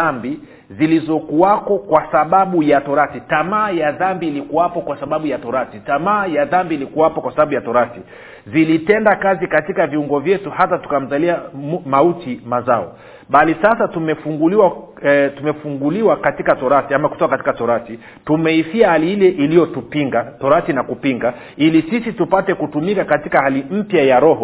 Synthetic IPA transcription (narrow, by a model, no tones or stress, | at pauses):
ambi | zilizɔkuwakɔkwasaɓaɓujatɔɾatitamaːjaðambiːlikuwapɔkwasaɓaɓujatɔɾatitamaːjaðambiːlikuwapɔkwasaɓaɓujatɔɾati | zilitɛndakazikatikaviuŋɡɔvjɛtuhatatu̥kam̩zaliamautimazaɔ | ɓalisasatumɛfuŋɡuliwa | tumɛfuŋɡuliwakatikatɔɾatiamaku̥tɔkakati̥katɔɾati | tumɛifiahaliilɛʔilijɔtupiŋɡatɔɾatinakupiŋɡa | ilisisitupatɛkutumikakatikahalim̩pjajaɾɔhɔ